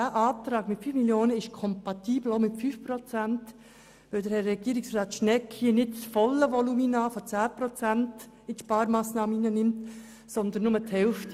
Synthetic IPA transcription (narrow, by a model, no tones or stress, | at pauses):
æʔɑːt̪ɾɑːɡ̥mɪtfyːfmiljoːnəɪʃkʰɔmpɑt̪iːbl̩omɪtfyːfprɔt͡sænt | ʋɪldəɾhɛrɛɡ̥iəɾɪksrɑːtʃnɛkʰhiənɪtt͡sfɔlːəʋɔluminɑːfɔt͡sæːpɾɔt͡sænt | ɪtʃpɑːɾmɑːsnɑːməiːnənɪmt | sɔnd̪ənːʊməthɛlft